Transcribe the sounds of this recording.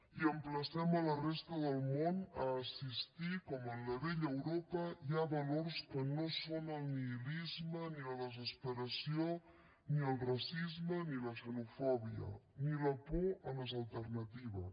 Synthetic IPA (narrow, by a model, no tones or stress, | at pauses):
iəmpləsɛmələrest̪əðəlˠmonəːsist̪ikɔmənləβeʎəwɾopəjaβəloɾskənosonəlˠniilizməniləðəzəspəɾəsio | niəlˠrasizməniləsənufɔβiə̰niləpoələzəlˠt̪əɾnət̪iβə̰